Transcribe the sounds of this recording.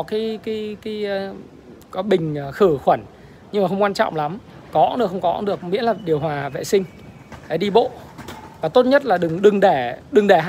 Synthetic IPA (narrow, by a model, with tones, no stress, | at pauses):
ɔ˨˦kiː˨˦ki˨˦ki˨˦˧ | kɔ˨˦ɓï˨˩ŋ̟ː˨˩xɨ˧˩xwə˧˩n | ɲɨ˧ŋmaː˨˩xə˧wŋ͡mkwaː˧nt͡ɕɔ̰˧˨wŋ͡mla˨˦m | kɔ˨˦nɗɨ˨˩kxə˧wŋ͡mkɔ˨˦ɗɨ˨˩ək̚mḭ˧˥laː˨˩ɗi˨˩əwhwaː˨˩vḛ˧˨sï˧ŋ̟ | ɗa˨˩˦ɗi˧ɓo̰˧˨vaː˨˩t̪o˦˥t̚ɲə˦˥t̚laː˨˩ɗɨ˨˩ŋɗɨ˨˩ŋɗe˧˩ɗɨ˨˩ŋɗe˧˩ɦa˧˨